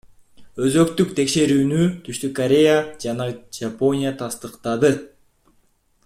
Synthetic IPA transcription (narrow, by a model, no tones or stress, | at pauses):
ø̞zø̞kt̪ykt̪ʰe̞kʃe̞ɾyːnyt̪ʰyʃt̪ykːɐɾʲe̞jad͡ʒɑnɑd͡ʒapo̞nʲɪjat̪ʰɑst̪ɯqt̪ɑd̪ɯ